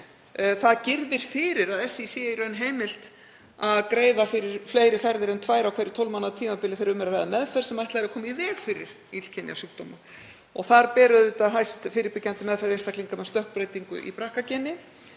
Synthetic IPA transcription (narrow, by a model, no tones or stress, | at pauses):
θaðcɪɾðɪɾ̥fɪɾɪɾaðɛsːɪisjɛiɾœnɦeːjmɪl̥t̪ | aðkɾeːjðafɪɾɪɾ̥fleːjɾɪfɛɾðɪɾɛnt̪ʰvaːjɾawkʰejɾɪ̥t̪ʰowlmanaðat̪ʰiːmapɪlɪθejɾʏmɛɾaɾvaːjðamɛðfɛɾ̥sɛmajht̪lɛɾakʰɔːmivɛːɣfɪɾɪ̰ɾ̥ | il̥cʰɛnj̰a̰suk̚t̪ɔːma | ɔɣθaɾpɛːɾʏðːt̪aðɦajst̪fɪːɾɪɾpɪcːant̪ɪmɛðfɛɾest̪akliŋkamɛðst̪œhk̚pɾeːjt̪iŋkʏ̰ʔḭpɾahkacɛnːɪ